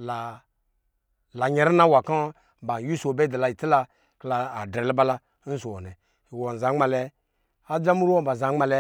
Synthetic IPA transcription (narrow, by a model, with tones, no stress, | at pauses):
la˨ | la˨ɲe˨ɾi˦na˦wa˨kã˦ | ba˨ju˦so˨be˦da˨la˨i˨ti˦la˧ | klaː˧˨dɾe˨lba˦la˧˦ | n̩˦so˨o˨nɛ˨ | wo˨n̩˨za˨˦ŋ͡ma˨lɛ˧ | a˦d͡ʒa˦mu˦ɾwo˦ba˨za˨˦ŋ͡ma˨lɛ˧